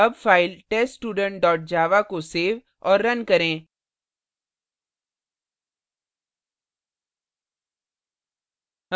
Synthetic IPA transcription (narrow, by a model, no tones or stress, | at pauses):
ɐbfaːɪlʈeːssʈuːɖə̃ɳʈ̚ɖɔːʈ̚d͡ʒaːʋakoseːʋ | ɔːɾːɐnkɐɾẽː